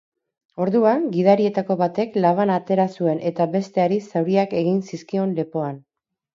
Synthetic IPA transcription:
o̞ɾðuaŋɡiðaɾie̞t̪ako̞βat̪e̞klaβ̞anat̪e̞ɾasue̞nʔe̞t̪aβe̞st̪e̞aɾisawɾiake̞ɣ̞insiskio̞nle̞po̞an

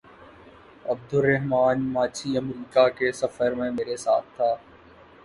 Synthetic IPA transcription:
ɐb̚d̪ʊɾɐɦmaːnmaːt͡ʃʰiɐmɾiːkakesɐfəɾmẽmeːɾesaːt̪̚ʰt̪ːaː

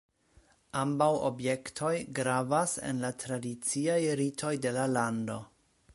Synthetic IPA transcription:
ambawo̰bje̞ktʰo̞jɡɾavasḛnlatɾadit͡siajɾitʰo̞jde̞lalando̞

